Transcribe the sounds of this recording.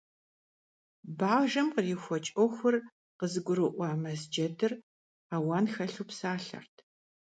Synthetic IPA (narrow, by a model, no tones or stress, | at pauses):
baːʒɐmqərixʷɔt͡ʃʼɔxʷʊr | qəzɨɡʷʊɾɨʔʷɑːmɐzd͡ʒɐdɨr | aːwɑːnxɐɬuːpsaːɬɐ̰rtʰ